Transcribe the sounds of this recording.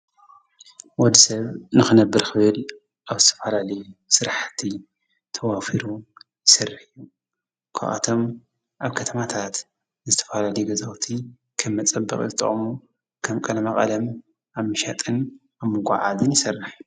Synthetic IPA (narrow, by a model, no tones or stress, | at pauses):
wɔd̪isɐβnɨxɨnɐbːɨɾxɨβɨl | ʔaβzɨt̪ʰɐ̥fɐlalɐjusɨɾaħt̪ʰi | t̪ʰɐwafiɾujɪsɐrːɨħɨjːu | kʰa̰ʔa̰t̪ʰo̞m | ʔaβkʰɐt̪ʰɐmat̪ʰat̪ | zɨt̪ʰɐ̥falalɐjuɡɐzawt̪ʰi | kʰɐmːɐt͡sʼɐbːɐ̰χʼɨ̰ɨt̪ʼɨ̰χʼmu | kʰɐmkʼɐlɐmakʼɐlɐm | ʔaβmɨʃat̪ʼɨnʔaβmɨɡʷaʕalɨnjɪsɐrːɨħ